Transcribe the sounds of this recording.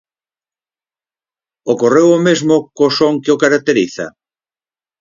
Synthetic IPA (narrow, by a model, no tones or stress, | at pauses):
okorewomezmokosoŋkeokaɾak̚t̪eɾiθɐ̰